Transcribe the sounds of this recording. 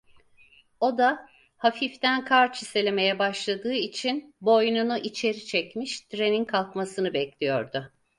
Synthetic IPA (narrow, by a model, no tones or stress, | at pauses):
o̞d̪a | hafift̪ænkʰaɾt͡ʃʰise̞lʲe̞me̞jɛbaʃlˠad̪ɯːit͡ʃʰinbo̞jnunuʔit͡ʃʰe̞ɾit͡ʃʰɛcmiʃt̪ʰɾe̞ninkʰalˠkmasɯnɯbɛclʲijo̰ɾd̪ʊ